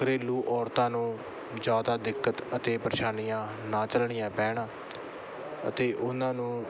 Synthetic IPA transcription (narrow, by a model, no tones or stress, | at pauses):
ɾeːluːʔɔːɾt̪ãːnũː | d͡ʒjaːd̪aːd̪ɪkːət̪ət̪eːpəɾʃaːnijãː | naːt͡ʃəlɳɪjãːpɛːɽaː | ə̰t̪eːʔʊnãːnũː